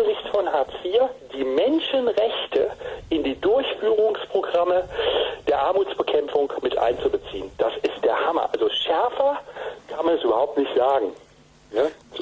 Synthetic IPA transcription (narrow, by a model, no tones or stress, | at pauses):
əzɪçtfɔnɦaːtsfiːɐd̥iːmɛnʃənʁɛçtʰəʔɪndiːdʊɐçfyːʁ̞ʊŋspʁ̥oɡʁaməd̥eːɐʔaɐmuːt͡sb̥əkʰɛmfʊŋmɪtʔa̰ɪnt͡subət͡sḭːənd̥asɪst̚d̥eːɐhamɐ̰ʔalzoʃɛɐfɐkʰanmanɛsyːbɐhaʊp̚tnɪçtz̥aːɡŋ̩ | jaz